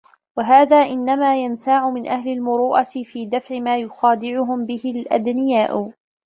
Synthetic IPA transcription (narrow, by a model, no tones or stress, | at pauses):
waɦaːðaːʔɪnːamaːjansaːʕʊmɪnʔahlɪlmʊɾuːʔat̪ɪfiːd̪afʕɪmaːjʊxaːd̪ɪʕʊɦʊmbɪhɪlʔa̰d̪nɪjaːʔʊ